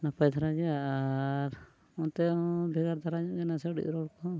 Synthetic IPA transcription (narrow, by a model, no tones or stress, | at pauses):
napajd̪ʰʱaɾaɡɛja | ɾ | ɔt̪ɛbʱɛɡaɾd̪ʱaɾaɲɔʔɡɛnasɛɖḭt̪ɾɔɽkɔ